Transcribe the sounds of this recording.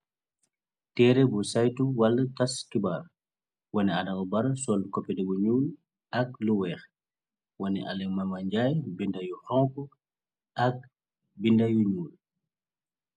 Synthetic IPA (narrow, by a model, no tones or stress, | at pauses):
tɛɾɛbusajtuwɐlːɐtɐskibaːr | wɐnɛadɐɡɔbɐɾɐsɔlkɔpːɛdɛbuɲuːl | ɐk̚luwɛːx | wɐnɛ̰ʔa̰lɛŋmɐmɐɲɟaːjbindɐjuhɔŋkɔ | ʔɐk̚ | bindɐjuɲuːl